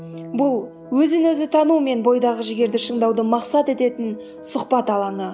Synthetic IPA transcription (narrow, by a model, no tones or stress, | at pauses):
bʊlˠ | wɵzɪnɵzɪt̪ʰɑnume̞nbo̞jd̪ɑʁəʒɪɡʲe̞ɾd̪ɪʃəɴd̪ɑwd̪əmɑqsɑt̪e̞t̪e̞t̪ɪn | sʊqpɑt̪ɑlˠɑɴə